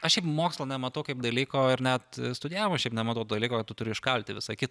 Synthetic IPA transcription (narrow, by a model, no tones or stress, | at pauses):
ɐʃʃʲɛɪpmoːkslˠɐnʲɛmɐt̪ɐʊkɐɪp̚d̪ɐlʲiːkoːɪɾnʲɛt̪st̪ʊdʲɪjæːʋomɐʃʲɛɪpnʲɛmɐt̪ɐʊt̪ːd̪ɐlʲiːkoːkɐt̪t̪ʊt̪ʊɾʲɪʃkɐlʲt̪ʲɪʋʲɪsɐkʲɪt̪